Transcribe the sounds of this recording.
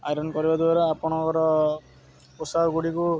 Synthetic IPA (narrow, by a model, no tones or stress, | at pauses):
a̰jɾɔnkɔɾibad̪uaɾɔapɔɽ̃ɔkɔɾɔ | posaɡuɽiku